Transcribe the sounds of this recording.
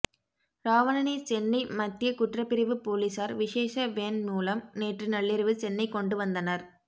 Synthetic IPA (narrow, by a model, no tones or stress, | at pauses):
ɾaːʋɐnɐnit͡ʃɛnːɐɪmɐt̪ːɪjɐkʊʈrɐpːɪɾɐʋɯpoːliːsaːɾʋɪʂeːʂɐʋeːnmuːlɐmneːʈrɯnɐɭːɪɾɯʋɯt͡ʃɛnːɐɪkːɔɳɖɯʋɐnd̪ɐnɐɾ